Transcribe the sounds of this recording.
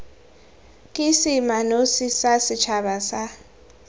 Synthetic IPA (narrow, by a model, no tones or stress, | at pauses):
kʼisimanosisasit͡ʃʰaɓasa